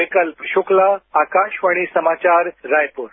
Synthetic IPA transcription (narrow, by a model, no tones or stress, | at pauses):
ikəlpɕuklaːkaɕʋaɽ̃isəmat͡ɕaɾːajpuːɾ